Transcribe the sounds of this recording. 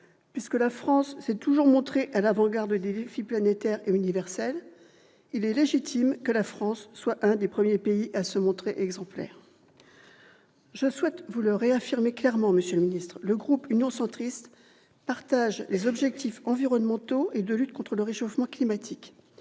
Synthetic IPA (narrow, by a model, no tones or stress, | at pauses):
pɥiskəlafχɑ̃sːɛt̪uʒuʁmɔ̃t̪χeʔalavɑ̃ɡaʁd̪əd̪ed̪efiplanet̪ɛʁeynivɛʁsɛl | ilɛleʒit̪ʰimkəlafχɑ̃sːwaʔɛ̃d̪epχəmjepeiʔasəmɔ̃t̪χeʔɛɡzɑ̃plɛ̰ːʁ | ʒəswɛt̪vuləʁeafiʁmeklɛʁmɑ̃məsjøləminist̪χləɡʁupynjɔ̃sɑ̃t̪χist̪ | paʁt̪aʒlezɔbʒɛk̚t̪ifɑ̃viʁɔnmɑ̃t̪oʔed̪əlyt̪̚kɔ̃t̪χələʁeʃofmɑ̃klimat̪ʰik